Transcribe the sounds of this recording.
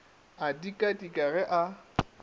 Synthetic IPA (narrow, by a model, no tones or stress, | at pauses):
adikʼadikʼaɣɛʔa